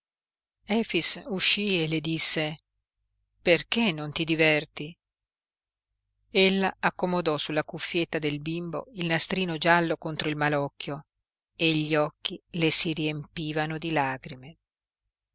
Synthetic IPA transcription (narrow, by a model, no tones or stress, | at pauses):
ɛːfisuʃːieled̪isːe | perkenːont̪id̪ivɛrt̪i | elːaakːomod̪ɔsulːakufːjet̪ːad̪elbimbo̰ilnast̪ɾiːnod͡ʒalːokont̪ɾoilmalɔkːjo | eʎːiɔkːilesiɾiempiːvanod̪ilaːɡɾime